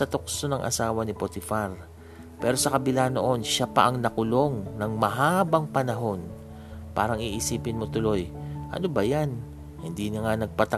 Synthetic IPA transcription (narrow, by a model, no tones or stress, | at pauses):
sɐt̪okso̞nɐŋʔɐ̰saːwɐnɪpot̪ɪfaɾ | pɛːɾo̞sɐkɐbɪlano̞ʔo̞nʃapɐʔɐŋnɐkʊlo̞ŋnɐŋmɐɦaːbɐŋpɐnɐɦo̞n | pa̰ːɾɐŋiʔɪsiːpɪnmo̞t̪ʊlo̞jʔɐ̰no̞bɐjan | hɪnd̪inɪŋanɐɡ̚pɐt̪ɐ